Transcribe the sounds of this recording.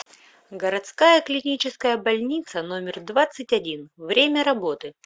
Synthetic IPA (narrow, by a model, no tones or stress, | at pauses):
ɡəɾɐt̪skajəklʲɪnʲit͡ɕɪskəjəbɐlʲnʲit̪səno̞mʲɪrd̪vat̪sːɨtʲɐdʲinvɾʲemʲəɾɐbo̞t̪ɨ